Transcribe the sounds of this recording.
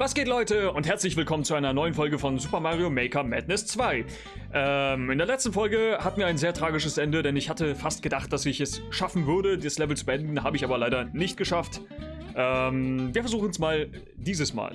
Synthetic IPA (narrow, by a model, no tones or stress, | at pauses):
vasɡ̥eːtlɔʏtəʊnthɛɐt͡slɪçv̥ɪlkʰɔmənt͡suaɪnɐnɔʏənfɔlɡəfɔnzuːpɐmaːʁiomɛɪkɐmɛ̰tnɛst͡sv̥aɪ | ʔɛmɪndeːɐlɛt͡stn̩fɔlɡəhatmiɐaɪnzeːɐtʁ̥aːɡɪʃəsʔɛndədɛnɪçhatəfast̚ɡ̥ədaχt̚d̥asɪçɛsʃafn̩vʏɐɾədislɛvl̩t͡subəʔɛndn̩ɦaːbəɪçaːbɐlaɪɾɐnɪçt̚ɡ̥əʃaft | ʔɛmviːɐfɛɐzuːχn̩smaːl | diːzəsma̰ːl